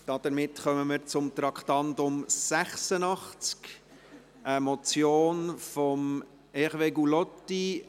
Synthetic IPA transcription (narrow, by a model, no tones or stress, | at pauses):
d̥ɑd̥̪əɾmɪtχœməməɾt͡sʊmt̪ɾɑkχtɑntʊmsæχsənɑχt͡sk | ʔəmɔt͡sjoːnfɔm | ɛχʋeɡulɔtːi